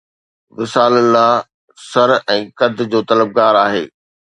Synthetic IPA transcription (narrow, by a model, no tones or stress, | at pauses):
ʋɪsaːləlaː | sɐɾɛ̃ːkɐd̪ʱd͡ʑoːt̪ɐləb̚ɡaːɾaːɦḛː